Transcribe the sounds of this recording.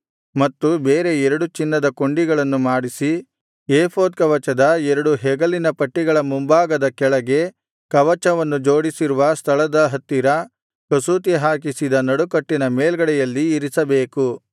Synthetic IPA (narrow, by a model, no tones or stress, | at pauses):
mɐt̪ːubeːɾe̞ɛɾɐɽut͡ʃinːɐd̪ɐko̞ɳɖiɡɐɭɐnːumaːɽisi | eːpʰoːd̪̚kɐʋɐt͡ʃɐd̪ɐɛɾɐɽuɦɛɡɐlinɐpɐʈːiɡɐɭɐmumbaːɡɐd̪ɐkɛɭɐɡe̞ | kɐʋɐt͡ʃɐʋɐnːud͡ʒoːɽisiɾuʋɐst̪ʰɐɭɐd̪ɐɦɐt̪ːiɾɐ | kɐsuːt̪̬iɦaːk̬isid̪ɐnɐɽukɐʈːinɐmeːlɡɐɽɛjɐlːiːɾisɐbeːku